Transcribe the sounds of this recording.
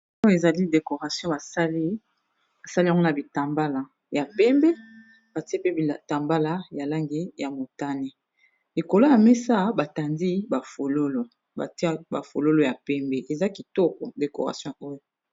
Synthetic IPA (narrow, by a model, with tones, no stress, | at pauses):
o˦jo˦e˨za˨li˦de˨ko˨ʁa˨sjɔ̃˦ba˨sa˦li˦ | ba˨sa˦li˦ja˨ŋɡo˦na˨bi˨ta˨mba˦la˨ | ja˨pɛ˦mbe˦ | b̥a˨ti˦e˦pe˦bi˨ta˨mba˦la˦ja˨la˦ŋɡe˦ja˨mo˨ta˦ne˦ | li˨ko˨lo˦ja˨me˦sa˦ba˨ta˨ndi˦ba˨fo˨lo˦lo˨ | a̰˨ti˦ba̰˨fo̰˨lo˦lo˦ja˨pɛ˦mbe˦ʔe˨za˦ki˨tɔ˦ko˨de˨ko̰˨ʁa̰˨sjɔ̃˦o˦jo˨